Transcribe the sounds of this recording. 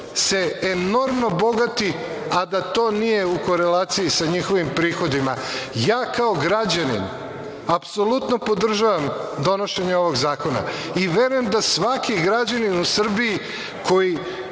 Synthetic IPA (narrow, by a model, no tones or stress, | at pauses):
se̞eno̞ɾmno̞bo̞ɡat̪i | ad̪at̪o̞ːnije̞uko̞ɾe̞laːt̪sijisaɲixo̞ʋimpɾiːxo̞d̪imajaːkaoɡɾad͡ʑanḭn | apso̞lut̪no̞po̞d̪r̩ʒaʋamd̪o̞no̞ʃe̞ɲeo̞ʋo̞ɡzaːko̞na̰iʋe̞ɾujemd̪asʋakiɡɾad͡ʑaninusr̩biji | kʰo̞ji